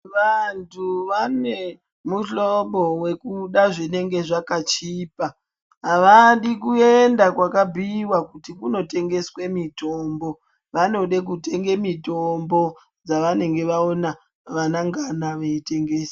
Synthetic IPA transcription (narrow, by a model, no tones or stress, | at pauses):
ʋantʰuʋane̞ | muɬobo̞we̞kuɗaʐine̞ŋɡe̞ʐakat͡ʃiːpa | aʋaɗikue̞ndakwakabʱiwakutikuno̞te̞ŋɡe̞swe̞mito̞ːmbo̞ | ʋano̞ɗe̞k̬ute̞ŋɡe̞mito̞mbo̞ | d͡zaʋane̞ŋɡe̞ʋaona | ʋanaŋɡanaʋeite̞ŋɡe̞ːsi̥